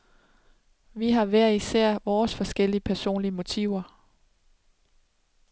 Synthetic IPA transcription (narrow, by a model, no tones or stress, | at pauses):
ʋiɦɑ̈ʋæɐ̰isæɐ̰ʋɒːsfɒ̽sɡ̥el̰iəpʰæɐso̝̰ːnliəmo̝t͡sʰḭʊ̰ɐ